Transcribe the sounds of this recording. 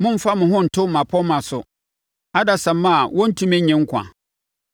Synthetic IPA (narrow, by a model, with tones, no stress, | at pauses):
mʊ̃˦m̩˦fa˦mʊ̃˨ɦʊ̃˦n̩˨tʰʊ˦˨mã˨pʰɔ˦mã˨sʊ˨ | a˦da˨sã˨mːã˦˨wɔ̃˦n̩˦tʰũ˦mɛ̃˦ɲɛ̃˨ŋ̩˦kʷʰã̰˨